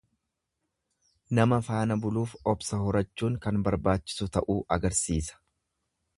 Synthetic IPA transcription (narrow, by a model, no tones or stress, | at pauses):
nɐmɐfaːnɐbʊluːfɔbsɐɦɔɾɐt͡ʃːuːŋkɐnbɐɾbaːt͡ʃːɪ̥sʊt̪ɐʔuːʔɐɡɐɾsiːsɐ̥